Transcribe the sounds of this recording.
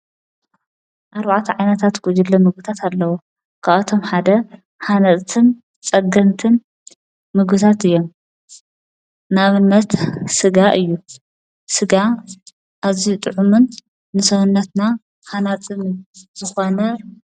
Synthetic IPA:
ʔaɾbaʕt̪ʰɐʕajnɐt̪ʰat̪ɡud͡ʒɨlːɐmɨɡ̚ɨt̪ʰat̪ʰalːɐwo | kʰaβat̪ʰo̞mħad̪ɐ | hanɐtʼt̪ʰɨn | t͡sʼɐɡɐnt̪ʰɨn | mɨɡɨt̪ʰat̪ɨjːom | naβɨnːɐt̪sɨɡaʔɨjːu | sɨɡa | ʔazit̪ʼɨʕumunː | ɨsɐwunːɐt̪na | hanat̪ʼɨnz̥ɨxonɐ

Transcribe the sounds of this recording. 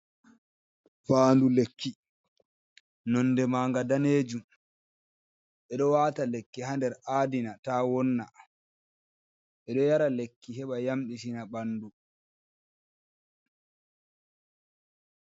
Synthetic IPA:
faːndulekːi | nɔnːdɛmaːŋɡadaneːd͡ʒum | ɓɛɗɔwaːtalekːihandɛɾʔaːdinatawɔnːa̰ | ɓɛɗɔjaɾalekːiɦɛɓajamɗisinaɓanːdu

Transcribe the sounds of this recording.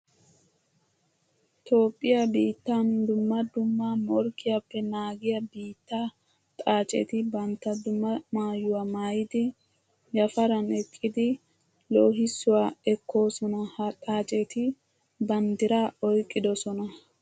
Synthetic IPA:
t̪o̞ːpʼːɪjabiːt̪ːand̪ʊmːɐd̪ʊmːamɔɾkːɪjapːɛnaːɡɪjɐbiːt̪ːa | t̪ʼaːt͡ʃʼɛ̰t̪ɪbɐnt̪ːɐd̪ʊmːɐmaːjʊwaːmaːjɪd̪ɪ | jɐfɐɾɐnɛkʼːɪd̪ɪ | loːɦɪsːʊwaːɛkʰːo̞ːsɔnɐhɐt̪ʼaːt͡ʃʼɛt̪ɪ | bɐnd̪ɪɾaːɔjkʼːɪd̪ɔsɔnɐ

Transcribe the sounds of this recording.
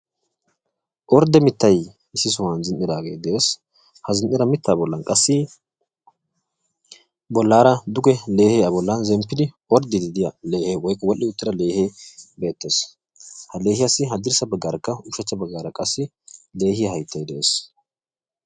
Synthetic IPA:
ʔɔɾd̪ɛmɪt̪ːɐj | ɪsːɪs̬ʊwanzɪnʔːɪd̪aːɡḛːd̪ɛʔeːs | hɐzɪnʔɪɾɐmɪt̪ːaːbɔlːɐnkʼɐsːɪ | bɔlːaːɾɐd̪ʊɡɛle̞ːheɐbɔlːɐnzɛmpːɪd̪ɪʔɔɾd̪ɪd̪ɪd̪ɪjɐleːheːwɔjkʼːɐwɔlʔːɪʊt̪ːɪd̪ɐle̞ːheːbe̞ːt̪ːeːs | hɐle̞ːhɪjɐsːɪɦɐd̪ɪɾsɐbɐɡːaːɾɐkːɐʊʃɛt͡ʃːɐbɐɡːaːɾɐkʼɐsːɪ | le̞ːhɪjɐhɐjt̪ʰːɐjd̪ɛʔeːs

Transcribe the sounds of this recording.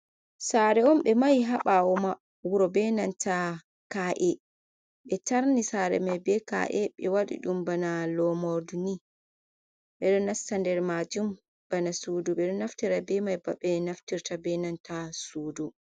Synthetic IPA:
saɾɛɔmɓɛmajɦaɓawɔma | wuɾɔbɛnantʰa | kaːʔɛ | ɓɛtaɾnisaɾɛ̰majbɛka̰ʔɛɓɛwaɗḭɗumbanalɔmɔɾduni | ɓɛɗɔnastandɛɾmad͡ʒum | b̥anasuduɓɛɗɔnaftiɾabɛmajbaɓɛnaftiɾtabɛnantasuːdu

